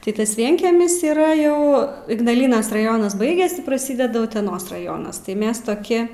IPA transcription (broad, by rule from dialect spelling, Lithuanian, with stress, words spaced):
tɐɪ ˈtɐs ˈʋʲiɛŋʲkʲiɛmʲɪs iːˈrɐ ˈjɛʊ ɪɡnɐˈlʲiːnɐs rɐˈjoːnɐs ˈbɐɪɡʲɛs prɐˈsʲiːdʲɛdʊ ʊtʲɛˈnoːs rɐˈjoːnɐs tɐɪ ˈmʲɛs toːˈkʲɪ